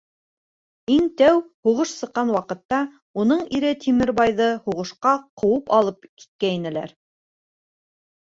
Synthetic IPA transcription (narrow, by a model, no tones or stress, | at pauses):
iŋt̪æwhuʁɤʃsɤ̆qːɑnwɑqɤ̆t̪ːɑ | unɤɴiɾɘt̪ʰimɘ̆ɾbɑjðɤhuʁɤ̆ʃqɑqɤ̆wɤpɑlˠɤp̚ki̥t̪̚kæinɘ̆læ̰ɾ